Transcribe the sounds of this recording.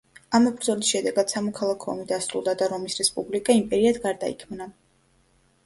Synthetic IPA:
amɔbɾd̪zɔlisʃɛd̪ɛɡad̪̥samɔkʰalˠakʰɔɔmid̪asɾṵlˠd̪ad̪aɾɔmisɾɛspʼublikʼaimpʼɛɾiad̪ɡaɾd̪a̰ḭkʰmna

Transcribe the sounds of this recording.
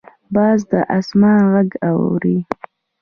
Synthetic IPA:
bɑːzd̪əʔasmɑnɣaɡaw̰wɾi

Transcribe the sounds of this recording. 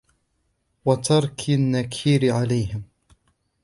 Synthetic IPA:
wɑt̪ʰɑɾˤkʰanːakʰiːɾɪʕalajhɪm

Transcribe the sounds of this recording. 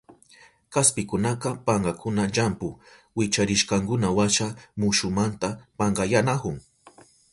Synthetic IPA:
kaspɪkʊnaqɑpɑɴɢɑkʰʊnaʎampʊwɪt͡ʃaɾɪʃqɑŋkʊnawaʃamʊʃʊmant̪apaɴɢɑjanakʊŋ

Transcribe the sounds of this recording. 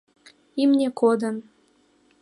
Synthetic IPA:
imnʲekʰod̪ən

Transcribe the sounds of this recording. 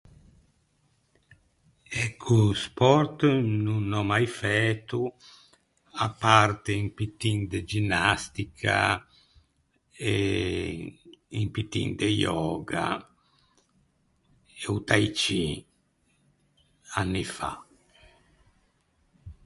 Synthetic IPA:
ekʰːuspɔɾt̪nunɔmajfɛt̪u | apːart̪eimpit̪ind̪ed͡ʒinːast̪ikʰa̰ | e | impit̪ḭnd̪ejɔːɡa̰ | eut̪ajt͡ʃi | anːifa̰

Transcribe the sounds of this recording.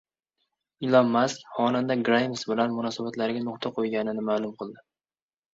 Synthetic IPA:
ɪlɒmːaskʲhɒnand̪aɡɾajmɪsbɪlanmʊnɒsabat̪laɾɪɡʲanʊqt̪ʰaqʰojɡʲanɪnɪmaːlˠʊmqʰɨlˠd̪ɪ

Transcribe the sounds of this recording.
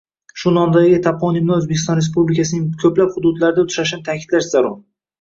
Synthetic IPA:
ʃʊnɒnd̪aɡʲɪt̪ʰapɒnɪmnaɵzbekʲɪst̪ɒ̃nɾes̬publɪkʲas̬ɪnɪŋkʰɵplaphʊd̪ʊd̪laɾɪd̪aʊt̪ʰʊ̥ʃaʃnɪt̪ʰakʲʰɪd̪laʃz̥aɾɒɾ

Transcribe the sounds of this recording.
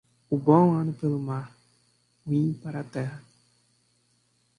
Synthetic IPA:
ubɔwanɨpɨlɨmaː | wĩpaɾatɛha

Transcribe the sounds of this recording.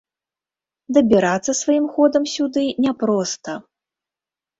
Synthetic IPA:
d̪ɐbʲiɾat̪sːɐsvajimxɔd̪ɐmsʲud̪ɨnʲɛpɾɔst̪ɐ

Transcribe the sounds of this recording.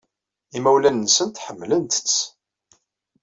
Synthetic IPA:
imæwlænːsənt̪ħəmːlənt̪ə̥t͡sː

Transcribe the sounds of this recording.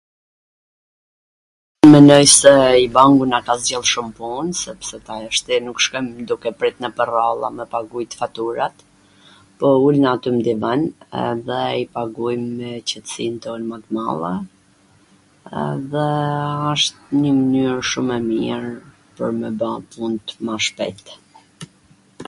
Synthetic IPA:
mɛnɔjsɛibaŋɡunakazɛlˠʃumpunsɛpsɛt̪aaʃt̪inukʃkɛmd̪ukɛpɾit̪nəpəralˠa̰mɛpaɡujt̪ə̥fat̪uɾat̪ | pɔulnaːt̪ymd̪ivanɛ̰ðɛipaɡujmːɛt͡ɕət̪ə̥sint̪ɔnmat̪ma̰lˠɛ | ɛ̰ðɛaʃt̪ɲəmənyɾʃumɛmiɾ | pəɾməbãpunt̪maʃpɛ̰t̪

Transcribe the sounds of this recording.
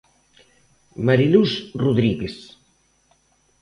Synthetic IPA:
maɾilusruðɾiɣes

